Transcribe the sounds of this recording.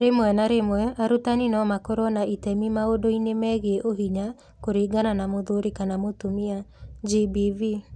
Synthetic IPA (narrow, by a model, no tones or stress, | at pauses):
ɾemwɛnaɾemwɛʔaɾutaninɔmakɔɾɔnaʔitɛmimaodoinemɛɣeʔoɦiɲa | koɾeːɡananamoðoɾekanamotomiad͡ʒibivi